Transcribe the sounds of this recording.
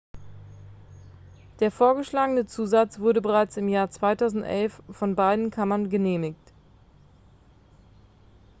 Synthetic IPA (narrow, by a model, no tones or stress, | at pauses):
d̥eːɐfoːɐɡəʃlaːɡənət͡suːzat͡sv̥ʊɐɾəbəʁaɪt͡sɪmjaːɐt͡sv̥aɪtʰaʊzn̩tʔɛlfːɔnbaɪdn̩kʰamɐnɡəneːmɪkt